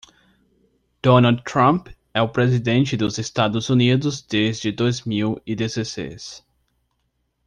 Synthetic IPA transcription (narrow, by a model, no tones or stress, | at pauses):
d̪̥onad̪t̪ɾɐ̃mp | ɛʊpɾezid̪ẽnt͡ʃɪd̪ʊzest̪ad̪ʊzunid̪ʊzd̪ezd͡ʒɪd̪ojzmiwid̪ezesḛjs